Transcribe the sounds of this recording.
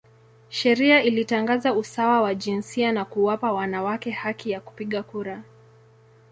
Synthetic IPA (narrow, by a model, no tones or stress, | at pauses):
ʃɛɾiailitaŋɡazausawawaʄinsianakuwapawanawakɛhakijaku̥piɠakuɾa